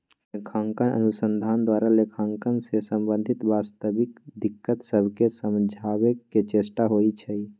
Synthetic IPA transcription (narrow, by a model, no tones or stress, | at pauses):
lekʰaŋkənə̰nusənd̪ʱand̪waɾalekʰaŋkənsesəmbənd̪ʱit̪bast̪əbikd̪ikːət̪səbʱkesəmd͡ʒʱabekːet͡ʃesʈaɦojt͡ʃʰə